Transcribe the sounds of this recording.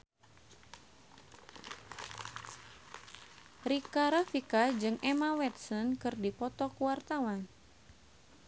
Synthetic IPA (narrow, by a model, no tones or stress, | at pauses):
rikaɾafikad͡ʒɨŋɛmawɛt̪̚sɔnkɨrdipɔt̪ɔkuwart̪awan